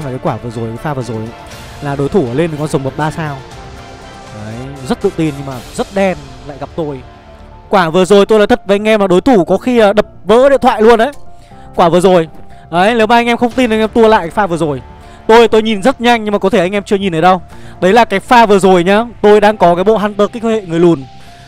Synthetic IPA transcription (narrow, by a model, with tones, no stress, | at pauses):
ma˨˩kaː˨˦jkwaː˧˩vɨ˨˩əzo˨˩jkːjfaː˧vɨ˨˩əzo˨˩jʔa̰˨˦ | laː˨˩ɗo˨˦jt̪ʰu˧˩ʔəː˧˩le˧nːə˨˩kɔ˨˧˦nzə˨˩wŋ͡mɓə˨˩p̚ɓaː˧saː˧w | ʔə˨˦jzə˦˥t̚t̪ɨ̰˧˨t̪i˨˧˩nɲɨ˧maː˨˩zə˦˥t̚ɗɛ˧n | la̰ː˧˨jɣa˨˩p̚t̪o˧j | kwaː˧˩vɨ˨˩əzo˨˩jt̪o˧jla̰ː˧˨t̪ʰə˨˩t̚vəː˨˦ʔa˧jŋ̟ʔɛ˧mlaː˨˩ɗo˨˦jt̪ʰu˧˩kɔ˨˦xi˧əː˨˩ɗə˨˩p̚və̰ː˧˥ɗḭ˧˨t̪ʰwa̰ː˧˨lu˧ənʔə˨˦j | kwaː˧˩vɨ˨˩əzo˨˩jʔə˨˦jle˨˦waː˨˩ʔa˧jŋʔɛ˧mxə˧wŋ͡mt̪i˧nʔa˧ŋ̟ʔɛ˧mt̪u˧əla̰ː˧˨jka˨˦faː˧vɨ˨˩ə˩zo˨˩j | t̪o˧jt̪o˧jɲi˨˩nzə˦˥t̚ɲa˧jŋ̟ɲɨ˧ŋmaː˨˩kɔ˨˦t̪ʰe˧˩ʔa˧jŋʔɛ˧mt͡ɕɨ˧əɲi˨˩nʔəː˨˦jɗə˧wɗə˨˦jlaː˨˩kaː˨˦jfaː˧vɨ˨˩əzo˨˩jɲaː˧t̪o˧jɗaː˧ŋkɔ˨˦kaː˨˦jɓo̰˧˨ɦa˧nt̪əː˨˦˩kaː˨˦kəː˧hḛ˧˨ŋɨ˨˩əjlu˨˩ən